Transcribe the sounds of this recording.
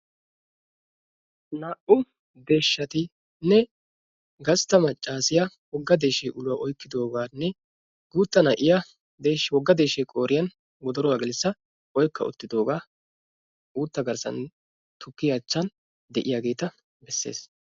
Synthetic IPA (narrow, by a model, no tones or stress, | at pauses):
nɐʔʊ | d̪e̞ːʃːɐt̪ɪ | nːɛ | ɡɐst̪ːɐmɐt͡ʃʼːaːsɪjɐ | wɔɡːɐd̪e̞ːʃeːʔʊlʊwaːʔɔjkːɪd̪o̞ːɡaːnːɛ | ɡuːt̪ːɐnɐʔɪjɐ | d̪eːʃwɔɡːɐd̪eːʃɛjkʼoːɾɪjɐn | wɔd̪ɔɾɔwaːɡɛlɪsːɐ | ɔjkːɐ̰ʊ̰t̪ːɪd̪o̞ːɡaː | ʔuːt̪ːɐɡɐɾsɐ̰n | t̪ʰʊkːɪjɐt͡ʃːɐn | d̪ɛʔɪjaːɡe̞ːt̪ɐ | bɛsːe̞̰ːs